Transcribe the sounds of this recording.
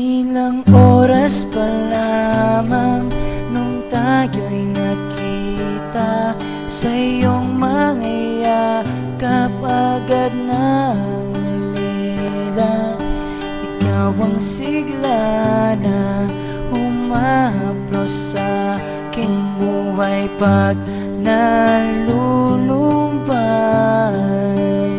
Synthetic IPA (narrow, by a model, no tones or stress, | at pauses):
ɪlɐŋʔoːɾɐspɐlamɐŋnoŋt̪ajojnɐkʰ | iː | t̪a | sɐɪjoŋmɐŋaja | kɐpaɡad̪̚na | ŋ | li | la | ɪkawɐŋsɪɡlana | hʊmaaplosːa | kɪnmubajpaɡ̚ | nɐluluba | j